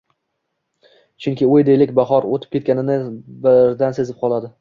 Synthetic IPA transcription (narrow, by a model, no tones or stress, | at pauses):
t͡ʃʰʊŋkʲɪojd̪ejlɪkʲbaχɒɾot̪ʰɪ̥pkʲʰet̪kʲanɪnɪbɪɾd̪anse̞zɪp̚qʰɒlˠad̪ɪ